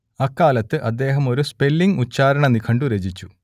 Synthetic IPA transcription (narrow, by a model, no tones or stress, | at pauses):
ɐkːaːlɐt̪ːɨʔɐd̪ːe̞ːɦɐmo̞ɾuspe̞lːiŋut͡ɕːaːɾɐɳɐnikʰɐɳɖuɾed͡ʑit͡ɕːu̥